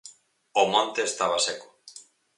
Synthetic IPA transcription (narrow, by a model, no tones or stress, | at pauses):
omõnt̪eːst̪aβ̞aseko̥